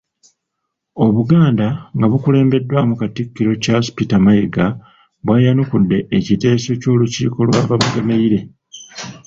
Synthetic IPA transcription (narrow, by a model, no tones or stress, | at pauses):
o̞βuɡaːndaŋɡaβukule̞ːmbe̞dːwamukatikːiɾo̞caspitamajeɡa | βwajanukudːe̞ːcite̞ːso̞co̞ːlucḭːko̞lwaːβaβaɡemeiɾe̞